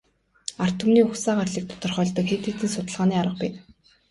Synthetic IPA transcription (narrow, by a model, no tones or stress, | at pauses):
ar̥t̪ʰumniːʊxsaːɢarɮiːk̚t̪ʰʊ̥t̪ɞ̆rχœːɮt̪ə̆kxet̪eːt̪iːnsʊt̪ə̆ɮʁaːniːaɾə̆q̚piː